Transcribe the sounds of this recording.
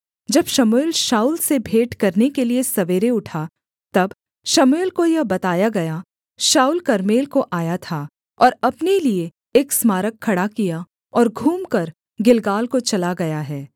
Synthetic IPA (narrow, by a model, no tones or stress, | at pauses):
d͡ʒɐbʃɐmoɪlʃaːuːlsebʱeːʈkɐɾnekeliesɐʋeːɾeʊʈʰa | t̪ɐb | ʃɐmoːlkojɐɦbɐt̪aːjaɡɐja | ʃaːulkɐɾmeːlkoʔaːjat̪ʰaː | ɔːɾɐpnelie | eːksmaːɾəkʰːɐɽakija | ɔːɾɡʱuːmkɐɾ | ɡɪlɡaːlkot͡ʃɐlaɡɐjaɦɛː